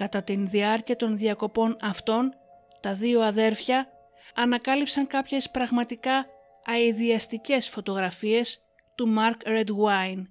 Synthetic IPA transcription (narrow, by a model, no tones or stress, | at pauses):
kɐt̪ɐt̪inðiɐɾciɐt̪o̞nðiɐko̞po̞nɐft̪o̞n | t̪ɐðio̞ɐðe̞ɾfçɐː | nɐkɐlipsɐŋkɐpçe̞spɾɐɣmɐt̪ikɐː | iðiɐst̪ice̞sfo̞t̪o̞ɣɾɐfie̞s | t̪umɐɾkɾe̞d̪wɐjn